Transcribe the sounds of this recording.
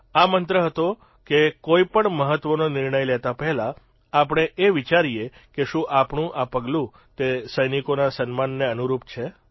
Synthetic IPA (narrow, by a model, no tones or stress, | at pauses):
amənt̪ɾəɦət̪o | kekoipəɳməɦət̪ʋənonɪɾɳəjlɛt̪apəɦla | apɽ̃eʔeʋit͡ʃaɾije | keʃũʔapɳũʔapəɡlũ | t̪esəjnikonasənmanːeənuɾup̚t͡ʃʰe